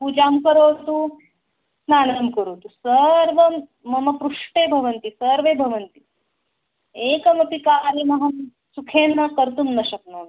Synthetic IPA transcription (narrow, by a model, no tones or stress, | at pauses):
puːd͡ʒamkɐɾot̪u | snaːnɐmkɐɾoːt̪usɐɾʋɐmː | ɐmɐpɾuʂʈeːbʱɐʋɐnt̪isəɾʋeːbʱɐʋɐnt̪i | eːkɐmɐpikaːɾimɐɦɐm | sukʰeːnːɐkəɾt̪umnɐɕɐk̚no